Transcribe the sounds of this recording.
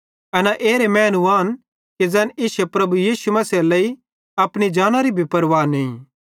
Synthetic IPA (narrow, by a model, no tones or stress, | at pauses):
ɐnaʔeːɾemɛ̃ːnuaːn | ked͡zɛːnɪsepɾɐbujiːsumɐselɐi | ɐpɽ̃id͡ʒaːñaɾibʱipɐɾʋaːnẽĩ